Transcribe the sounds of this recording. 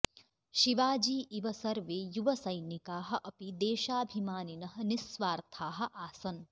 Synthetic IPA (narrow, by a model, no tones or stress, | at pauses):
ʃiʋaːd͡ʒiːʔiʋɐsɐɾʋeːjuʋɐsɐjnikaːɦɐ̆ʔɐpid̪eːʃaːbʱimaːninɐɦɐ̆nisʋaːɾt̪ʰaːɦɐ̆ʔaːsɐn